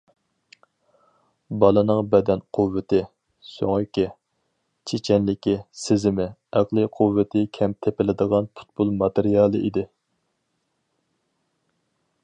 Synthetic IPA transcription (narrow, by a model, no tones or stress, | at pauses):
bɑlˠɨnɨŋbɛd̪ɛnqʰuvːɪt̪ɪ | so̰ŋykʲi | t͡ʃʰet͡ʃʰɛnlɪkʲisɪzɪmɪæqlˠɨqʰʊvːɪt̪ʰɪkʲʰɛmt̪ʰepɪlɪd̪əʁɑnpʰu̥t̪̚bulˠmɑt̪ɪɾijɑːlˠɨid̪ɪ